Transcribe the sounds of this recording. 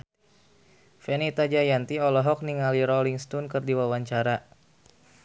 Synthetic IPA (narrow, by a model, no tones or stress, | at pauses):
fɛnit̪ad͡ʒajant̪iɔlɔɦɔk̚niŋaliɾɔliŋst̪unkɨrdiwawaɲt͡ʃaɾa